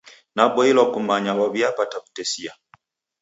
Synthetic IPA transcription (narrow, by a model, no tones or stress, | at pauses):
nabɔilwakumaɲawaβiapataku̥tɛsia